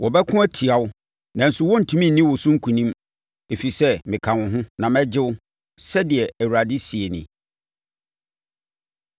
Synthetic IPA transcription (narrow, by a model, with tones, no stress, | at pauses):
wɔ˨bɛ˦kʰʊ̃˦æ˦tʰi˨a˨wʊ˦ | nã˨n̩˨sʊ˦wɔ̃˦n̩˨tʰũ˦mĩ˦n̩˨nĩ˦wɔ˨sʊ̃˦ŋ̩˦kʰũ˨nĩ˦m | e˨fi˨sɛ˦mɪ̃˨kʰã˨wʊ̃˨ɦʊ̃˦nã˨mɛ̃˦d͡ʑɪ˦wʊ˦ | sɛ˦dɪ˨ɛ˨æ˨wu˨ɾa˨dɪ˦si˨e˨nɪ̃˨